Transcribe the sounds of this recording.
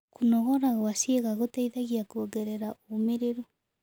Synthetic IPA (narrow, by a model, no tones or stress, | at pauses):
kunɔɣɔɾaɣwasjeɣaɣotaiðaɣiakuoɡɛɾɛɾaoːmeɾeɾo